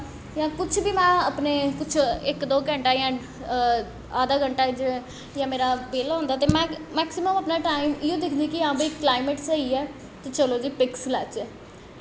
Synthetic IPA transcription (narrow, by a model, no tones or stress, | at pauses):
jãːkʊt͡ʃʰbiːmɛ̃ːəpneːkʊt͡ʃʰɪkd̪oːkɛ̃ːɳʈaːjãː | aːd̪aːɡəɳʈaːd͡ʒ | jãːmeːɾaːbeːlɦõːnd̪aːt̪eːmɛ̃mɛːksɪməməpnaːʈaːimɪjõːd̪ɪkʰd̪iːkɪãːbiːklaːɪmeʈsəiɛː | t̪eːt͡ʃəloːd͡ʒiːpɪkslɛːt͡ʃɛː